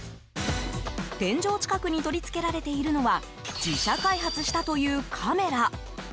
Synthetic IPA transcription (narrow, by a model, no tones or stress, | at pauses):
d̪̥ẽ̞ɲ̟d͡ʑo̞ːt͡ɕi̥kakɯ̟ɲ̟it̪o̞ɾʲit͡sɨ̥ke̞ɾaɾe̞t̪e̞iɾɯ̟no̞βa | d͡ʑiɕakaiɦat͡sɨɕi̥t̪at̪o̞jɯ̟ːkʰame̞ɾa